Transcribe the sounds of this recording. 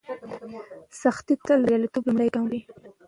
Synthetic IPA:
saxt̪it̪əlɾjɑlat̪oblʊmɽajkamwi

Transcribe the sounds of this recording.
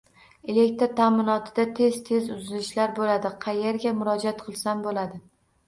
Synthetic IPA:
elekʲt̪ɾt̪ʰamɪnɒt̪ʰɪd̪at̪ʰe̞zt̪ʰe̞zʊzɪlɪʃlaɾbolad̪ɪqʰɑje̞ɾɡʲamʊɾɒd͡ʒat̪qʰɨlˠsambolad̪ɪ

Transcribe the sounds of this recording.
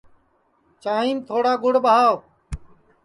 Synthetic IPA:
t͡ʃaːɦĩːmt̪ʰoːɽaːɡʊɽɓəɦaːʋ

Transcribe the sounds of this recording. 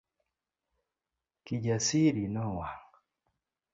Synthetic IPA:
kiɟasiɾinɔwa

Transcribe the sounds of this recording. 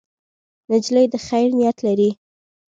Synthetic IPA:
nɪd͡ʒləjd̪əxajɾnijat̪laɾi

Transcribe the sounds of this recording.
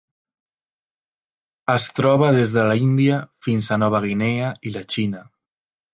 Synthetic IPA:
əst̪ɾɔβ̞aðezðəlaind̪iafinzanɔβ̞aɣ̞ineailat͡ʃina

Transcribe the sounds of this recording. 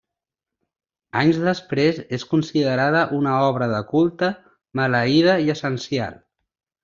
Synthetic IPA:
aɲzðəspɾezeskunsiðəɾað̞əʔunəɔβɾəðəkulˠt̪ə | mələið̞əiəsənsia̰lˠ

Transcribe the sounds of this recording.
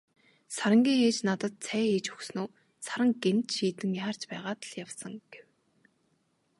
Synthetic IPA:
saɾə̆ŋɡʲiːŋxeːt͡ɕnat̪ə̆t̪̚t͡sʰæːxeːt͡ɕɵ̥xsnuː | saɾə̆ŋɡemt̪ʃiːt̪ɘ̆ŋjaːr̥t͡ɕpæːʁaːt̪ə̆ɮ̥jawsə̆ŋɡ̥ew

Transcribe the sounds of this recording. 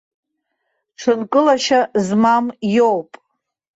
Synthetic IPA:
ʈ͡ʂʷʰɨnkʼɨlaʃazmamjowpʼ

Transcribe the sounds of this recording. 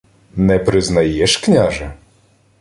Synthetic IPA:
nɛpɾɨznajɛʂknʲaʐɐ

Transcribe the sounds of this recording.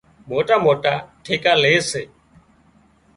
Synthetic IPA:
moːʈaːmoːʈaːʈʰeːkaːleːseː

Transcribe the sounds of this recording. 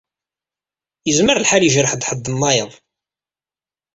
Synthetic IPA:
jəzməɾlħaljəʒɾəħd̪ħəd̪ːənːɑjəðˤ

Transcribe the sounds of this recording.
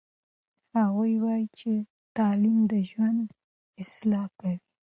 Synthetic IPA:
haɣujwɑjit͡ʃe | t̪ɑlimd̪əʒwand̪ | ɪslɑkawi

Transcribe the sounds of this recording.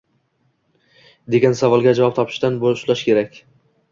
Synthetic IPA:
d̪eɡʲansavɒlˠɡʲad͡ʒavɒp̚t̪ʰɒpʰɪ̥ʃd̪anbolʊʃlaʃkʲʰe̞ɾakʲ

